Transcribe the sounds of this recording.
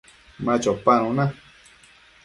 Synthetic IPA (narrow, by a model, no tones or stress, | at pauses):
mãt͡ʃopañũnã